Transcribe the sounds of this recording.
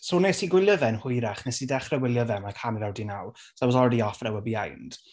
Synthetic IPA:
soːnesiɡwɪljəðɛnhʊɨɾaχnɛsidɛχrɛwɪlˠjəðɛnmakʰanvɛwdinawsabɔsɔɾɛdiɔfrɛwəbiajnd̥

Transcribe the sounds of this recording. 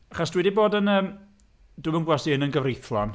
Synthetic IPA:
aχasd̥wɛdiboːdənəːm | dʊmənɡwasiɪnənɡəvrejθlˠɔn

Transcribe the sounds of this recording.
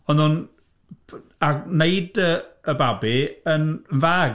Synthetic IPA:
ɔnʊn | anejdəəbabiənnvaːɡ

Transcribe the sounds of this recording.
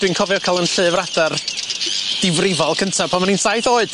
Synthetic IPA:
d̥winkʰɔvjɔkʰalˠənɬɨːvradar | d̥ɪvrɪvɔlˠkʰəntʰapʰanmaninsajθoːɨd̥

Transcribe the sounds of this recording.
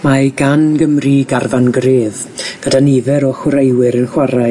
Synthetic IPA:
maɡanɡəmriɡarvanɡreːð | ɡ̥ədaniðɛɾɔχwɾejwɨɾənχwaɾa

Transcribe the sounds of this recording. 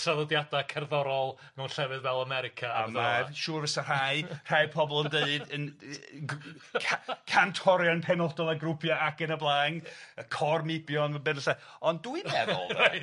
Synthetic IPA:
salˠɔdjadakʰɛrðɔɾɔlˠ | mɛwnɬɛvɨðvɛlˠamɛɾɪkʰaamaʃuːrvəsar̥ajr̥ajpʰɔbɔlˠənndəɨdən | kʰkʰantʰɔɾjɔnpʰɛnɔdɔlˠaɡrupʰjaakənəblˠaːŋəkʰɔrmɪbjɔnmabɨnəɬa | ɔnduimɛðʊ̰ll

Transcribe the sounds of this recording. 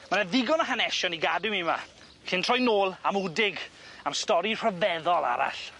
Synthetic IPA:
manaðɪɡɔnaɦanɛʃɔniɡadʊmima̰ | ɬɪntʰr̥ɔjnoːlˠamudɪɡamstɔɾir̥əvɛðɔlˠa̰ɾa̰ɬ

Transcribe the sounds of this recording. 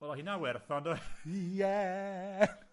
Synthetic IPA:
wɛlˠahinawɛrθɔnɔjɛ

